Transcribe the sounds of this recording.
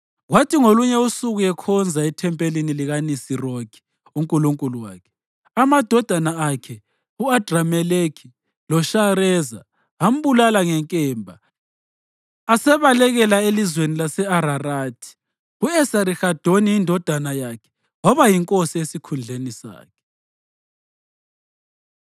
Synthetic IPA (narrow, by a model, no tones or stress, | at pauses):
ɣwatʰiŋoluɲɛusuɣuɛkʰɔnd͡zʱaitʰɛmpʼeliniliɣanisiroɡ̥i̥ | uŋkʼuluŋkʼuluwa̰ːkʰɛ̥ | amad̥ʱɔd̥ʱanaakʰɛ | uad̥ʱramɛlekʰi̥ | lɔʃaɾɛːza | am̩βulalaŋɛŋkʼɛːmbʱa | asɛβalɛɣɛlaelizwenilasɛaɾaraːtʰi̥ | uɛsaɾixad̥ʱoniindʱɔd̥ʱanajakʰɛ̥ | ŋɔβajiŋkʼosiesikʰund͡ɮʱenisa̰ːkʰɛ̥